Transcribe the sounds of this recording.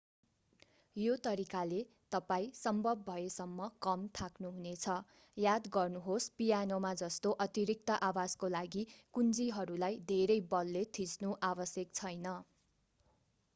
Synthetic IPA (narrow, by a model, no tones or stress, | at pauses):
jot̪ʌɾikale | t̪ʌpaĩsʌmbʱʌbbʱʌesʌmːʌkʌmt̪ʰaknuɦunet͡sʰʌ | jad̪ɡʌrnuɦospijanomad͡zʌst̪oʔʌt̪iɾik̚t̪ʌʔawad͡zkolaɡikund͡ziɦʌɾulajd̪ʱeɾʌjbʌlːet̪ʰisnuʔabʌsjʌk̚t͡sʰʌjnʌ